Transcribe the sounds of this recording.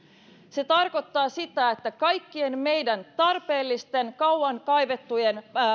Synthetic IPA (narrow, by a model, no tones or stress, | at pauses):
se̞t̪ɑrko̞t̪ːɑːsit̪æet̪ːækɑjkːie̞nme̞jdænt̪ɑrpe̞ːlːist̪e̞nkɑwɑŋkɑjʋe̞t̪ːujen